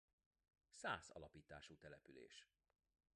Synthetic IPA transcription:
saːzɒ̰lɒpiːt̪aːʃuːt̪ɛlɛpylḛːʃ

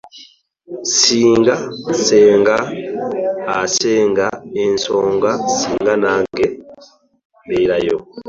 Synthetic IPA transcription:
siːŋɡaseːŋɡaː | seːŋɡaensoːŋɡasiːŋɡanaːŋɡe | mbeiɾajo

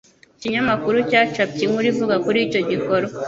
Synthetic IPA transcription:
ciɲamakuɾucaːt͡ʃap̚ciŋuɾivuɡakuɾico̞ɟiko̞ɾo

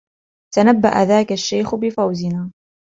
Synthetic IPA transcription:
t̪anabːaʔa̰ðaːkaʃːajxbɪfawzɪnaː

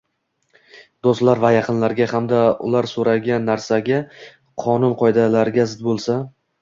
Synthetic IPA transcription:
d̪ost̪laɾvajɑqʰɨnlaɾɡʲahamd̪aʊ̰laɾsoɾaɡʲanːaɾsaɡʲa | qʰɒnʊnqʰɒjd̪alaɾɪɡʲazɪd̪bolˠsa

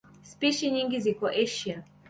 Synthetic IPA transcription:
spiʃiɲiŋɡizikɔʔɛʃia

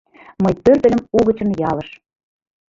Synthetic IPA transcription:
məjpørt̪ə̆lə̆muɣə̆t͡ɕə̆njɑlə̆ʃ

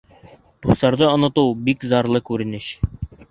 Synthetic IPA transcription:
d̪̥uslˠɑɾd̪ɤŏnɤ̆t̪ɤwbikzɑɾlˠɤkʉɾɘ̆nɘɕ

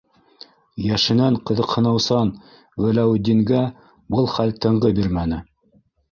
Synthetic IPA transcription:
jæʃɘ̆næɴqɤ̆ðɤ̆qhɤ̆nɤ̆wsɑn | wælæwd̪iŋɡæ | bɤlˠχælt̪ɤ̆ɴʁɤbiɾmænɘ

